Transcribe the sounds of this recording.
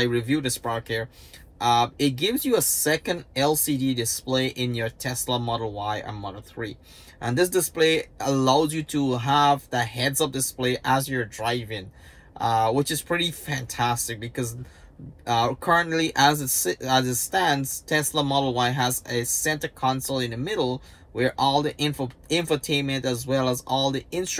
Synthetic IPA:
aɪɹɨvjʉðɨspɹɑɹkʰɛɹ | ʔɪt̚ɡ̥ɪvzjɨəsɛkɨ̃ndɛlˠsididɨspleɪʔɪ̃njə˞tʰɛsləmɑɾl̩ˠwaɪʔə̰̃nmʌɾəl̩θɹi | ʔə̃nðɪs̬d̥ɨspleɪəlaʊzjɨɾəəvðəhɛdzʌp̚d̥ɨspleɪʔəzjə˞dɹaɪvɪ̃ŋ | ʔwɪt͡ʃɨz̥pʰɹ̥ɪɾifæ̃ntʰæstɨk̚b̥ɨkʌz | kʰɜ˞ɨ̃nʔˡliʔəzɨtsəzɨtstæ̃ndz̥tʰɛsləmɔɾl̩ˠwaɪɦəzɨsɛ̃ntə˞kʰɑ̃nsl̩ˠɨ̃nðəmɪɾl̩ˠ | wə˞ʔɔlˠðiʔɪ̃nfəɛ̃ntə˞tʰẽɪ̃nmɨ̃ntɨzwɛlˠəzɔlˠðiɪ̃nst

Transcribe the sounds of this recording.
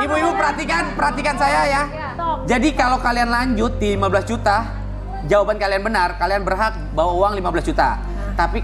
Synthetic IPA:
ibuibupəɾɦat̪ikanpəɾɦat̪ikansajaja | d͡ʒadikalawkalianlaɲd͡ʒʊt̪̚dilimabəlasd͡ʒut̪a | d͡ʒawabankalianbənarkalianbərɦak̚bawauaŋlimabəlasd͡ʒut̪a̰ | t̪api

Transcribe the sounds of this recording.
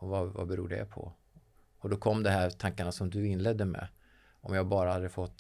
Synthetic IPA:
ɔvava̰bɛɾuːɖɛ̰pʰɔ̰ | ɔd̪ɔkʰɔmːd̪ɛɦæːɾt̪ʰaŋkaɳasɔmd̪ɵɪnːlɛd̪ːəmɛ̰ | ɔmjɑːhabɑːɾahad̪ːəfɔt̪ː

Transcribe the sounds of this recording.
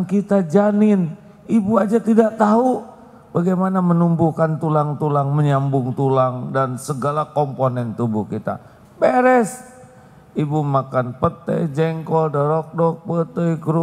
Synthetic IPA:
kit̪ad͡ʒanɪn | ibuad͡ʒat̪idaʔt̪aɦu | baɡajmanamənumbukant̪ulaŋt̪ulaŋməɲambʊŋt̪ulaŋdansəɡalakomponɛnt̪ubuhkit̪a̰ | beɾɛs | ibumakanpət̪ə̰jd͡ʒɛŋkɔldəɾɔk̚dɔk̚pət̪əjɡɾu

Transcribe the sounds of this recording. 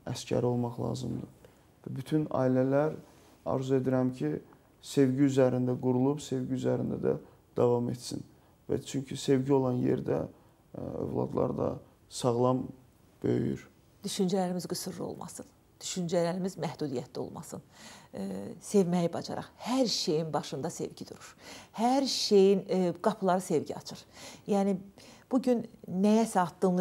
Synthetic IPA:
æscʰæ̰ɾio̞lˠmɑχlˠɑ̰ːzɯmd̪ɯ | væbyt̪ʰynɑ̰ːilælæɾ | ɑ̰ɾzue̞d̪iɾæmcʰi | se̞vɟiyzæɾind̪æɡuɾulˠubse̞vɟiyzæɾind̪æd̪æ̰ | d̪̥ɑvɑme̞t̪sin | væ̰t͡ʃʰyɲcʰise̞vɟio̞lˠɑnje̞̰ɾd̪æ | ø̰vlˠɑ̰d̪lˠɑ̰ɾd̪ɑ̰ | sɑʁlˠɑm | b̥øjjy̰ɾ | d̪yʃynd͡ʒælæɾimizɡɯsɯɾlo̰lˠmʔɑ̰sɯn | d̪̥yʃynd͡ʒælæɾimizmæhd̪ud̪ijæt̪ʰlio̞̰lˠmɑ̰sɯ̰n | se̞vmæjibɑd͡ʒɑ̰ɾɑ̰χhæɾʃe̞jinbɑʃɯnd̪ɑse̞̰vɟid̪uɾuɾ̥hæɾʃejinɡ̥ɑpʰlˠɑɾɯse̞vɟiɑ̰t͡ʃʰɯɾjæːnib̥uɟynːæjæsæɑt̪ːɯnlˠ

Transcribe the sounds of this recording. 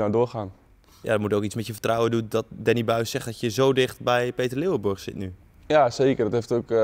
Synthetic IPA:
nadʊːɹxaːn | ja̰dɔmutowkit͡smɛtjəfə̥trɔwədundɔt̚dɛnibœɥssɛχdɔtjəzoːdɪχtbɛjpeːtərlɪwəbʊɹxsɪ̰tny | jaseːkərdɔtɦeftok

